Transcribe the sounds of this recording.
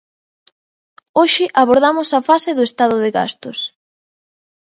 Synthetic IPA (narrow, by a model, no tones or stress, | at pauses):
oʃɪʔaβoɾðamʊsafasɪðʊest̪að̞ʊðɪɣa̰st̪ʊs